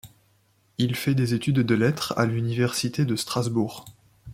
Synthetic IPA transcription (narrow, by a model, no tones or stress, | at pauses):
ilfɛd̪ezet̪yd̪ːəlɛt̪χa̰lynivɛʁsit̪ed̪əst̪χazbuʁ